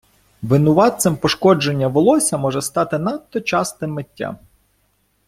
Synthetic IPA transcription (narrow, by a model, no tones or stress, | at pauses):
ʋɪnʊʋɑt̪sɪmpɔʃkɔd͡ʒenʲːɐʋɔlˠɔsʲɐmɔʒɛst̪ɑt̪ɪnɑt̪ːɔt͡ʃɑst̪ɪmːetʲːa̰